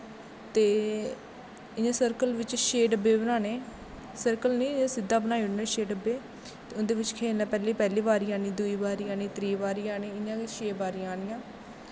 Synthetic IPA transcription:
t̪eː | ɪãːsəɾkəlʋɪt͡ʃʃeːɖəbeːbənaːneː | səɾkəlnĩːãːsɪd̪ːaːbənaːiʊnẽːʃeːɖəbeː | t̪eʊnd̪eːʋɪt͡ʃkʰeːlnãːpɛːliːpɛːliːʋaːɾiãːniːd̪ʊiːʋaːɾijãːnĩːt̪ɾiːʋaːɾɪjãːneːɪãːʃeːbaːɾɪjãaːnɪjãː

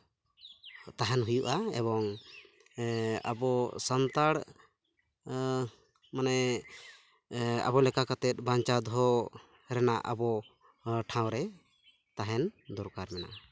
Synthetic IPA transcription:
t̪aɦɛnɦujuʔaɛ̰bɔŋ | a̰bɔsant̪aɽ | manɛ | a̰bɔlɛkakat̪ɛt̪̚baɲt͡ʃad̪ɦɔ | ɾɛnaʔa̰bɔ | ʈʰãwɾɛ | t̪aɦɛnd̪ɔɾkaɾmɛna̰ʔa

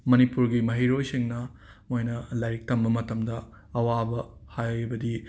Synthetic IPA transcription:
mɐnipuɾɡimɐɦiɾojsiŋnɐmojnɐlɐjɾik̚tɐmbɐmɐtɐmdɐ | ɐwabɐhajbɐdi

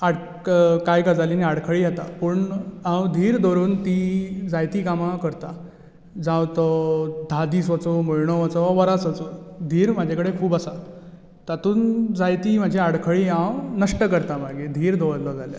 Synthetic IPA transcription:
aɽ | kajkad͡zaliːniaɽkʰəɭijat̪a̰pəɳãwd̪ʱiːɾd̪ʱɔɾuːnt̪iːd͡zajt̪iːkamakəɾt̪a | d͡zãwt̪ɔd̪ʱad̪iːsʋət͡sɔməɭɳɔʋat͡sɔʋaʋəɾat͡sət͡sɔd̪ʱiːɾmad͡ʑʱakəɽekʰuːbasa | t̪at̪uːnd͡zajt̪iːm̤ad͡ʑʱiaɽkʰəɭiːãwnəʂʈəkəɾt̪amaɡed̪ʱiːɾd̪ʱɔɭlɔd͡zalja̰

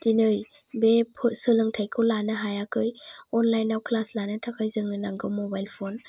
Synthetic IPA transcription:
dinɯj | bepʰusɯlɯŋtʰajkʰɯwlanɯɦajakɯjɔnlajnawkʰlaslanɯtʰakʰajzɯŋnɯnaŋɡɯmɔbajlpʰɔn

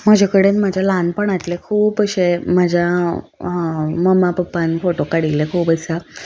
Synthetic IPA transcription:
m̤əd͡ʑʱakəɽenmad͡ʑʱalanpəɳat̪lekʰuːpəɕemad͡ʑʱja | məmapəpːanfoʈokaɽilekʰuːpəa

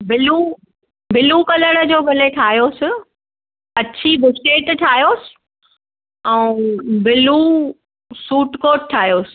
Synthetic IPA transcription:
bɪlu | bɪlukɐləɽə̆d͡ʑoːɡɐleʈʰaːɦijoːsɪ̆ | ɐt͡ɕʰibɪsʈeːʈʈʰaːɦijoːsɪ̥̆ | ɛ̃ːbɪlu | suːʈkoːʈʈʰːaːɦjoːsɪ̥̆

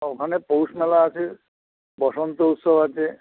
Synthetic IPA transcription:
okʰanepowsmɛlaːt͡ʃʰe | bɔsɔnt̪ɔut̪sɔbat͡ʃʰe

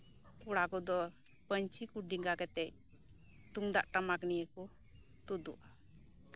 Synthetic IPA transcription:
kuɽakɔd̪ɔ | pəɲt͡ʃikuɖiŋɡakɛt̪ɛc̚ | t̪uŋd̪aʔʈamaknijəkɔ | t̪ud̪ṵʔa

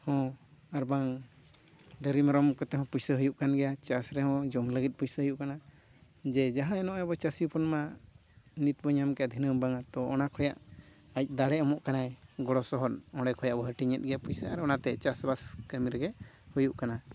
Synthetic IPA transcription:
hɔ̃aɾbaŋ | ɖəɾimaɾɔmkɔt̪ɛhɔ̃pujsəɦujuʔkanɡɛjat͡ʃasɾɛhɔ̃d͡ʒɔmləɡit̪̚pujsəɦujuʔkana | d͡ʒɛd͡ʒaɦãɛnɔʔjabɔt͡ʃasiupʰɔnma | nit̪̚bɔɲamkɛad̪ʱinəmbaŋat̪ɔɔnakʰɔjaʔ | ac̚d̪aɽɛɔmɔʔkanajɡɔɽɔsɔɦɔnɔ̃ɽɛkʰɔjaʔbɔɦəʈiɲɛt̪̚ˀɡɛjapujsəaɾɔnat̪ɛt͡ʃasbaskəmiɾɡɛ | hujuʔkana

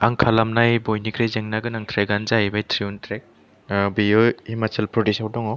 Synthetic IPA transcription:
aŋkʰalamnajbojnikʰɾejzeŋnaɡɯnaŋtʰɾeɡanzajbajtʰɾiuntʰɾek̚ | bijɔimatʰelpɾɔdisawdɔŋɔ

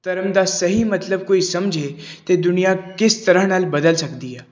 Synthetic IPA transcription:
t̪ɐɾəmd̪asɐɦimɐt̪ləb̚koːisɐmd͡ʒʱet̪ed̪ʊnijakɪst̪ɐɾəɦnaːlbɐd̪əlsɐkd̪iɦɛː

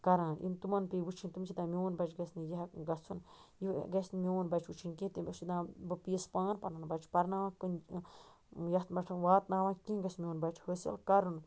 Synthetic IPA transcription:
kɐɾãːʔḭnt̪umɐnpebut͡ʃʰint̪umt͡ʃʰid̪ãːmʲeonbɐt͡ʃʰɡɐsnijiɦɐkɡɐt͡sʰunjiɡɐsnmʲionbɐt͡ʃʰut͡ʃʰinkĩt̪imʲt͡ʃid̪ãːbɨpiːspãːnpɐɾnanbɐt͡ʃʰpɐɾnaʋãːkɨn | jɐt̪bɐʈʰɐnʋaːt̪naːʋãːkĩːɡɐsmʲoːnbɐt͡ʃʰhəːsɐ̰lkɐɾɨn

